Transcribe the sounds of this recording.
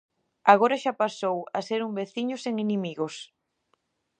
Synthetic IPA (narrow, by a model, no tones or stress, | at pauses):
aɣoɾaʃapasowaseɾumbeθiɲʊseŋenemiɣos